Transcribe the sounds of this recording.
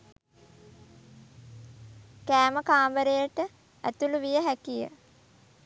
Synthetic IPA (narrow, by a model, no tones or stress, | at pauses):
kæːməkaːmbəɾejəʈə | æ̰t̪uluʋijəɦækijə̰